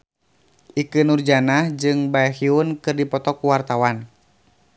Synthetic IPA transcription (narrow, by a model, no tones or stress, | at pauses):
ʔikɨnurd͡ʒanahd͡ʒɨŋbajhiunkɨrdipɔt̪ɔkuwart̪awan